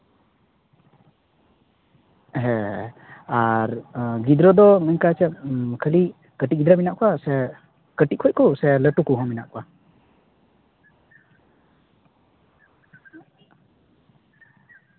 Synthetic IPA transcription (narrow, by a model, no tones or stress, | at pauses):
ɦɛ | aɾɡid̪ɾɔd̪ɔmɛnkat͡ʃɛkʰəli | kəʈiɡid̪ɾaminaʔkɔwasɛ | kəʈit̚kʰɔc̚kɔsɛləʈukuɦɔ̃minaʔkɔwa